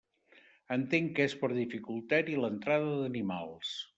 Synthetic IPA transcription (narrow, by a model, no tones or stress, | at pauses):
ənt̪eŋkespəɾðifikulˠt̪ɛɾilənt̪ɾaðəðənimalˠs